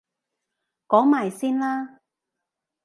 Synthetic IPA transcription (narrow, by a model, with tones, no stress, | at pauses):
kɔː˨˥ŋmaː˨˩jsiː˥nlaː˥